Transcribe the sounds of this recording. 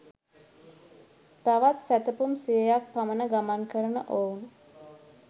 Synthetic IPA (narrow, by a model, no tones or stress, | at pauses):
t̪aʋat̪sæt̪əpumsijəjak̚pamənəɡamankəɾənəʔoun